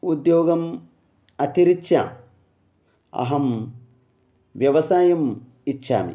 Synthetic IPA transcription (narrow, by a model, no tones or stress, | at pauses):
ud̪joːɡɐm | ɐt̪iɾit͡ʃʰːa̰ | ɐ̰ɦɐm | ʋjɐʋɐsaːjɐm | it͡ʃʰːa̰ːmḭ